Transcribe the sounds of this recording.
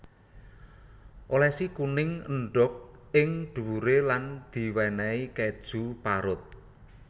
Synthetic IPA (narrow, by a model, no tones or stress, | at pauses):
ʔolɛsikunɪŋəɳɖʊk̚ɪŋɖ̪̥uuɾeland̪̥i̤wɛnɛikɛd̥ʒ̥ṳpaɾʊt̪̚